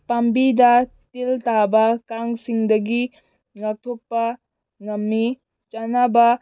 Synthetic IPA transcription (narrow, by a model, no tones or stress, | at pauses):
pɐmbidɐtilt̪abɐkaŋsiŋd̪ɐɡi | ŋɐtʰupːɐ | ŋɐmːi | t͡ʃɐnaba